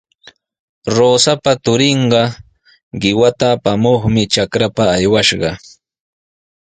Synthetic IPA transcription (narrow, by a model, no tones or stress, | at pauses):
ɾoːsapat̪ʊɾɪɴɢɑ | ɢɪwat̪aːpamoχmɪt͡ʃakɾapaːjwaʃɢɑ̰